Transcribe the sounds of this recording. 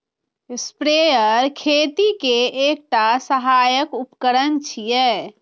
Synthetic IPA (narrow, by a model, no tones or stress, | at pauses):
spɾejəɾkʰet̪ikeek̚ʈasəɦajəkupkəɾənt͡ʃʰijɛ